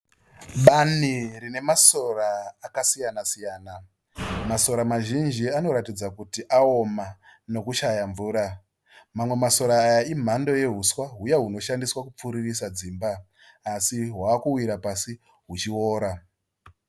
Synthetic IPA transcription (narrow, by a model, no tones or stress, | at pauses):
ɓanirine̞maso̞raːkasijanasijaːna | maso̞ɾamaʒind͡ʒiano̞ɾatid͡zakutiʔao̞mano̞kuʃajaɱvuːɾa | mamwe̞maso̞ɾaːjaim̤ando̞je̞ɦuswaɦujaɦuno̞ʃandiswakup͡fuɾirisad͡ziːmbaː | siɦwaːkuwiɾapasi | ɦut͡ʃioːɾa